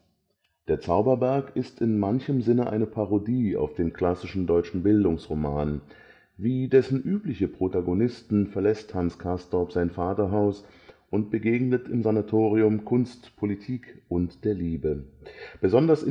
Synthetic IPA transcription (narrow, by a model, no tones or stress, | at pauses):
d̥eːɐt͡saʊbɐbɛɐkɪstɪnmançəmzɪnəʔa̰ɪnəpʰaʁodiːa̰ʊfd̥eːnkʰl̥asɪʃn̩dɔʏt͡ʃn̩bɪldʊŋsʁoma̰ːn | viːdɛsn̩ʔyːplɪçəpʁ̥otaɡonɪstn̩fɛɐlɛsthanskʰastɔpz̥aɪnfaːtɐɦaʊsʔʊnt̚b̥əɡeːɡnətɪmzanatʰoːʁ̞iʊmkʰʊnstpʰolitʰiːkʔʊntd̥eːɐliːbəb̥əzɔndɐsɪ